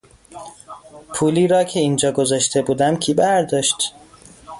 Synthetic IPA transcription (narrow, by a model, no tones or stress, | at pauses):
pʰuːliːɾɒːcʰe̞iːnd͡ʒɒːɡo̞zɒʃt̪ʰe̞buːd̪æmcʰiːbæɾd̪ɒːʃt̪